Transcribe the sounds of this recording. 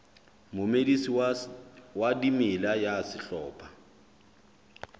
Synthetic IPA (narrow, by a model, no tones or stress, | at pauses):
mʊmedisi | wadimɪlajasɪɬɔːpʰʼa